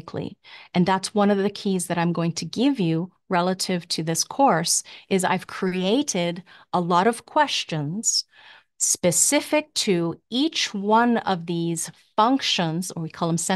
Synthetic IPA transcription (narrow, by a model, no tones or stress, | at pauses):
kʰlḭʔɨ̃nðætswʌ̃nʌvðɨkʰizðɨɾãɪ̃mɡoʊɪ̃ŋtʰɨɡɪvjɨ | ɹɛlˠəɾɪv̥tʰɨðɪskʰɔɹsʔɨza̰ɪv̥kʰɹ̥iieɪɾɪɾəlɔɾʌv̥kʰw̥ɛst͡ʃɨ̃nz̥ | spɨsɪfɨk̚tʰɨit͡ʃwʌ̃nʌvðiz̥fʌ̃ŋkʃə̃nzə˞wikʰɔlˠðə̃msɛ̃